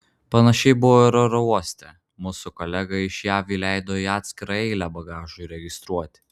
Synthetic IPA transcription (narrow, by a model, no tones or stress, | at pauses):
pɐnɐʃʲɛɪbʊʋoːɾoɾɔuɔsʲt̪ʲɛ | mʊsʊkɔlʲæɡɐɪʃjæːʋʲiːlʲæˑɪd̪oːiɑːt̪ʲsʲkʲɪɾɐɛɪlʲæːbɐɡɑːʒʊɾʲɛɡʲɪst̪ɾuɔt̪ʲ